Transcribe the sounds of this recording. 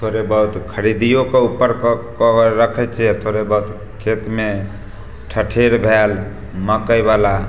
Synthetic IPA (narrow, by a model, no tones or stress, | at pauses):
t̪ʰoɾebəɦut̪kʰəɾid̪ijokeupːəɾkɾəkʰɛt͡ʃʰɛt̪ʰoɾebəɦut̪ | kʰet̪me | ʈʰəʈʰeɾbʱel | məkəjbala